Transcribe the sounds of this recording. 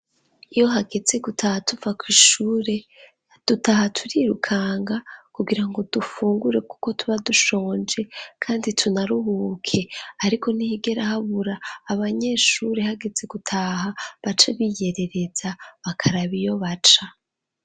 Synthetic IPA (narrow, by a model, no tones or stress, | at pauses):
ijo̞ɦaɡe̞ze̞ɡutʰahatuvakwiʃuːɾe̞ | d̥utaɦatʰuɾiɾṵkʰaːŋɡakuɡiɾaŋɡo̞d̥ufuːŋɡuɾe̞ku̥ko̞tʰuβaduʃo̞ːnd͡ʒe̞kʰaːnditʰunaɾuhukʰe̞aɾiko̞nihiɡe̞ɾahaβuɾaːβaɲe̞ʃuːɾe̞haɡe̞ze̞ɡutʰaːhaβat͡ʃaβije̞ɾe̞ɾe̞zaβakʰaɾaβijo̞βat͡ʃa